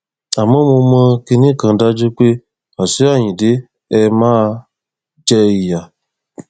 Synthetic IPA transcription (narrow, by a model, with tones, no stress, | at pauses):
a˨mo˦mũ˧mə˦ki˦ni˦kã˨˦da˦d͡ʒu˦kʷe˦ | a˨su˦a˦˨ɲĩ˨dɪ˦ | ɛ˦maː˦ | d͡ʒɛ˦i˨ja˨